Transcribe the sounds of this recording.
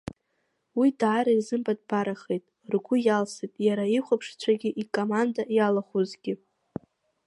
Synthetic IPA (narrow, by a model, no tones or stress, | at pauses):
widaːɾaizɨmbʼad̚baɾaχejtʼ | rɡʷʊjalsitʼjaɾaiχʷapʰʂt͡sʷʰaɡʲɪʔikʼomandajalaχuzɡʲɪ